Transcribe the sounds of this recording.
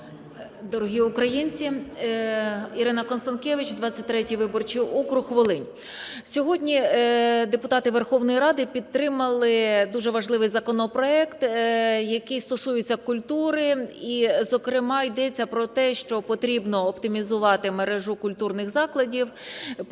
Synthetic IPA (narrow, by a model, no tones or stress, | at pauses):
d̪ɔɾɔɦʲiʊkɾɐjinʲt͡sʲi | iɾɪnɐkɔnst̪ɐnkʲɛʋɪt͡ʃd̪ʋɑt͡sʲːɐt̚ʲt̪ɾɛtʲijʋɪbɔrt͡ʃiɔkɾʊxːʋɔlˠɪnʲ | sʲɔɦɔdʲnʲid̪epʊt̪ɑt̪ɪʋerxɔwnɔjiɾɑd̪ɪpʲid̪̚t̪ːɾɪmɐlˠɪd̪uʒɛʋɐʒlˠɪʋɪjzɐkɔnɔpɾɔɛkt̪jɐkɪjst̪ɔsujɪt͡sʲːɐkʊlʲt̪uɾɪizɔkɾɪmɑjd̪ɛt͡sʲːɐpɾɔt̪ɛʃt͡ʃɔpɔt̪ɾʲibnɔːpt̪ɪmʲizʊʋɑt̪ɪmeɾɛʒʊkʊlʲt̪urnɪxzɑklˠɐdʲiw